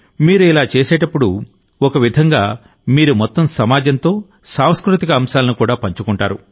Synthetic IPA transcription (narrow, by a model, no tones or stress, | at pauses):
miːɾuilaːt͡ʃeːsɛːʈɐpːuɽu | ɔkɐʋid̪ʱɐŋɡaː | miːɾumɔt̪ːɐmsɐmaːd͡ʒɐnt̪o̞ː | saːmskɾut̪ikɐːmʃaːlɐnukuːɽaːpɐɲt͡ʃukuɳʈaːɾu